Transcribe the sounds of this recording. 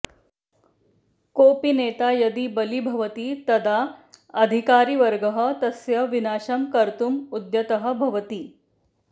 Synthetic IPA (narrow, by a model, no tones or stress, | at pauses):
kopinet̪ajɐd̪iːbəlibʱɐʋət̪iːt̪ɐd̪aɐd̪ʱikaːɾiːʋəɾɡəɦət̪ɐsjɐʋinaːɕɐmkɐɾt̪umud̪jɐt̪əɦə̆bʱɐʋət̪iː